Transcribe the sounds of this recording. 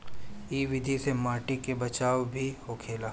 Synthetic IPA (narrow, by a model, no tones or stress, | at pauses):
iːʋɪd̪ʱisemaːʈikebɐt͡ʃaːwbʱihokʰeːlaː